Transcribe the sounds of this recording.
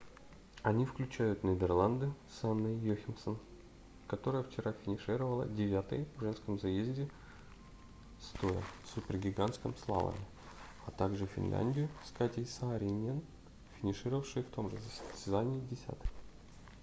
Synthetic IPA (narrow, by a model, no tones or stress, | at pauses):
ɐnʲifklʲʉt͡ɕæjʊt̪nʲɪd̪ʲərlˠand̪ɨsanːəjjoxʲɪmsən | kɐt̪o̞ɾəjəft͡ɕɪɾʔafʲɪnʲɪʂɨɾəvəlˠə̰dʲɪvʲat̪ə̰jʐɛnskəmzɐjezʲdʲɪ | st̪ojə̰supʲɪrɡʲɪɡanskəmslˠa̰və̰mʲɪ | ɐt̪aɡʐɨfʲɪ̰nlʲæ̰nʲdʲɪjʊskatʲɪjsaːɾʲɪnʲen | fʲɪnʲɪʂɨɾəvəfʂɨjft̪o̞mʐɨsəsʲsʲt̪ʲɪzanʲɪːdʲɪsʲa̰t̪ə̥j